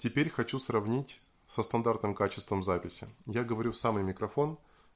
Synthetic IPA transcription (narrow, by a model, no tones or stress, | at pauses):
tʲɪpʲeɾʲxɐt͡ɕusrɐvnʲitʲ | səst̪ɐnd̪art̪nɨmkat͡ɕɪst̪vəmzapʲɪsʲɪ̰jaɡəvɐɾʲusamɨjmʲɪkɾɐfo̞n